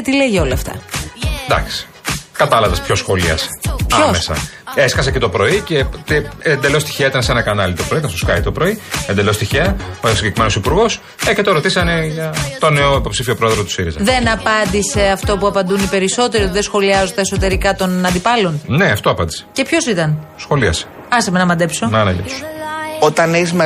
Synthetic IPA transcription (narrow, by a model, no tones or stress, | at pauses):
t̪ileʝio̞lɐːft̪ɐ̰d̪ɐ̰ksi̥ | kɐt̪ɐlɐvɐspço̞sxo̞lḭɐ̰se̥pɐomesɐ̰eskɐs̬ece̞t̪o̞pɾo̞ice̞t̪iend̪elo̞st̪i̥çeɐit̪ɐnesenɐkɐnɐlit̪o̞pɾoit̪ɐnsoskɐit̪opɾo̞iend̪e̞lo̞st̪içeɐsiɲɟekɾimenosipuɾɣo̞s | ecet̪o̞ɾo̞t̪isɐne̞ʝɐt̪o̞neoipo̞psifio̞pɾo̞eðɾout̪usiɾḭz̰ðe̞nɐpɐnd̪ise̞ɐft̪o̞puɐpɐnd̪unipe̞ɾiso̞t̪e̞ɾiot̪iðesxo̞liɐzot̪eso̞t̪e̞ɾikɐt̪o̞nɐnd̪ipɐlo̞nne̞ɐft̪o̞ɐpɐnd̪i̥se̥ce̞pço̞sit̪ɐnsxo̞liɐ̰se̥ | ɐsɐmenɐmɐd̪epsonɐnɐʝḛt̪u̥sot̪ɐnezme